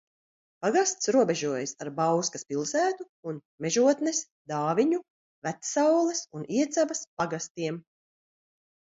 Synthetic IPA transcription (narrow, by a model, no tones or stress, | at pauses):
paɡast̪sɾuɔbɛʒuɔjasaɾbawskaspilˠsæːt̪u | un | mɛʒuɔt̪nɛs | d̪aːviɲu | væt̪sawlˠɛsuniɛt̪zavɐspaɡast̪iɛm